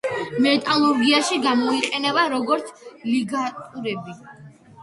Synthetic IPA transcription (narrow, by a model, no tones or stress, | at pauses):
mɛt̪ʼalˠuɾɡiaʃiɡamɔiqʼɛnɛbaɾɔɡɔɾt̪sʰliɡat̪ʼuɾɛbi